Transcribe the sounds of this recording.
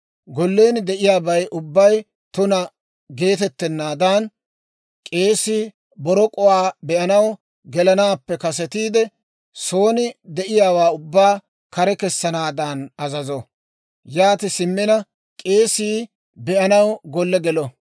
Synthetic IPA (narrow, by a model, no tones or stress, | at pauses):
ɡɔlːe̞ːnd̪ɛʔɪjaːbɐjʔʊbːɐj | t̪ʊnɐ | ɡe̞ːt̪ɛt̪ːɛnːaːd̪aːn | kʼe̞ːsiː | bɔɾɔkʼɔwaːbɛʔɐnɐw | ɡɛlɐnaːpːɛkɐs̬ɛt̪iːd̪ɛ | so̞ːnɪd̪ɛʔɪjaːwaːʊbːaː | kɐɾɛkɛsːɐnaːd̪aːnɐzɐzɔ | jaːt̪ɪsɪmːɪnɐ | kʼeːsiː | bɛʔɐnɐwɡɔlːɛɡɛlɔ